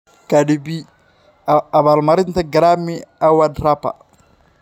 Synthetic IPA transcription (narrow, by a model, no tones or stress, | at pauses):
kadibi | abalmaɾɪnt̪aɡaɾamiawadɾapa̰